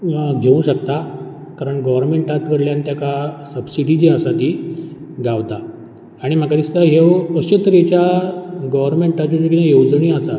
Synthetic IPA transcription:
ɡ̪ʱeʋũɕəkt̪a | kaɾəɳɡɔʋəɾmeɳʈat̪ʋəɾljant̪jakasəbsiɽid͡ʑeasat̪iː | ɡaʋt̪aː | ɽ̃im̤akad̪ist̪əɦeʋəɕut̪ɾet͡ɕjaɡɔʋəɾmeɳʈat͡ɕud͡ʑokinajowd͡zɳiːasa

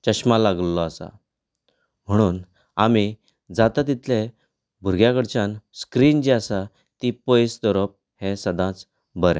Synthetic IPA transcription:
t͡ɕəɕmalaɡəlːɔasa̰ | m̤əɽ̃uːn | ami | d͡zat̪at̪̬it̪ʰlẽ | bʱuɾɡjakəɽt͡ɕãnskɾiːnd͡ʑiasa | t̪ipəjsd̪ɔɾəp̚ | hẽsəd̪ãt͡s | bəɾɛ̰̃

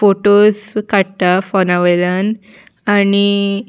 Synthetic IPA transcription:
foʈoskaɽt̪afɔnaʋəjlən | ani

